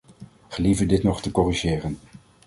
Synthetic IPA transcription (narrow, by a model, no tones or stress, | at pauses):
χəlivəɹdɪtnɔχtəkɔriʒɪːrən